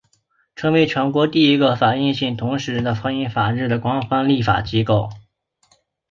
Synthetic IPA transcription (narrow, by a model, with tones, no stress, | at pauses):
ʈ͡ʂʰɤ˧˥ŋwe˧˥ɪʈ͡ʂʰwɛ˧˥nkwɔ˧˥t̪i˥˩i˧˥ɡə˧fa˨˩i˥˧nɕi˥˩ŋt̪ʰʊ˧˥ŋʂɻ̩˧˥d̪ə˧fɑ˥ŋi˥nfa˨˩ɻɻ̩˥˩d̪ə˩kwɑ˥ŋfɑ˥ŋli˥˩fa̰˨˩t͡ɕi˥ko˥˩ʊ